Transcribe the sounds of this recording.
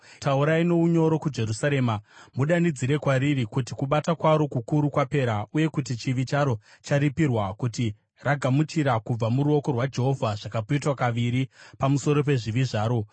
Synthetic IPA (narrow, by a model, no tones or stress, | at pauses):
tauɾaino̞uɲo̞ɾo̞kud͡ʒe̞ɾusaɾe̞mamuɗanid͡ziɾe̞kwaɾirikutikuɓatakwaɾo̞kukuɾukwape̞ɾauje̞kut̬it͡ʃiʋit͡ʃaɾo̞t͡ʃaɾipirwakuti | raɡʱamut͡ʃiɾakub͡vamuɾuo̞ko̞rwad͡ʒe̞ɦo̞vʱaʐ̥akapoitwakaʋiɾipamuso̞ɾo̞p̬e̞ʐiʋiʐaːɾo̞